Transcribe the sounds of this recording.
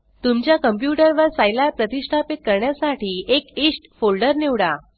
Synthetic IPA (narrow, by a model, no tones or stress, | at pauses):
t̪umt͡ɕjakəmp̬juʈəɾʋəɾsajlaɾpɾət̪iʂʈʰapit̪̚kəɾɳjasaʈiːʔekisʈfolɖəɾniʋɽa